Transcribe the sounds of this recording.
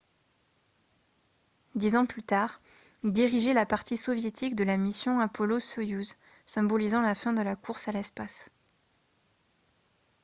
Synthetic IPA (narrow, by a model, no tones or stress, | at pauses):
d̪izɑ̃plyt̪aːʁ | ld̪iʁiʒɛlapaʁt̪isɔvjet̪ʰikd̪əlamisjɔ̃apɔlosɔjuz | sɛ̃bɔlizɑ̃lafɛ̃d̪əlakuʁsalɛspas